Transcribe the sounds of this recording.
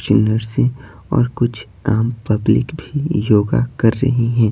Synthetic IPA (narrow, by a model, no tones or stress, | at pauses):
t͡ʃnəɾsẽ | ɔ̰ːɾkʊt͡ʃʰ | aːmpɐblɪ̰kbʱijoːɡa̰kɐɾːɐ̰ɦeɦɛ̃ː